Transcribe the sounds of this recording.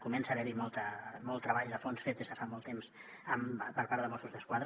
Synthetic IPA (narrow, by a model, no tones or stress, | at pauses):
kumɛnsəːβɛɾimɔlˠt̪əmɔlˠt̪ːɾəβaʎðəfonsfet̪̚ezðəfamɔlˠt̪emz | əmpəɾpaɾt̪əmosuzðəskwaðɾ